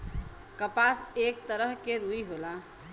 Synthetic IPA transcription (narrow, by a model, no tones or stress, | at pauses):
kəpasek̚t̪əɾəɦkeɾuiɦola